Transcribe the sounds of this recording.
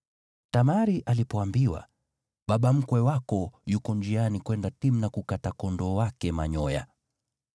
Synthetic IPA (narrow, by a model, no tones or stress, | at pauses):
tamaɾiʔalipɔambiwa̰ | ɓaɓam̩kwɛwakɔjukɔnd͡ʒianikwɛndatim̩nakukatakɔndɔwakɛmaɲɔja̰